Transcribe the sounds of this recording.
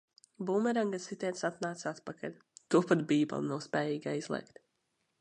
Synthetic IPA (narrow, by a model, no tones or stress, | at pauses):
buːmɛɾaŋɡasit̪ʲɛːt̪sat̪naːt̪sat̪pakʰa̰lʲ | t̪uɔpad̪biːbɛ̰lˠnawspʲɛːjiːɡaizlˠḭːkt̪